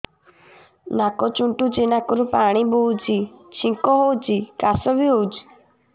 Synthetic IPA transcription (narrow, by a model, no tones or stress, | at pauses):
nakɔt͡ʃuɳʈud͡ʒenakɔɾupaɽ̃ibowd͡ʒit͡ʃʰĩŋkɔɦowd͡ʒikasɔbiɦowd͡ʒ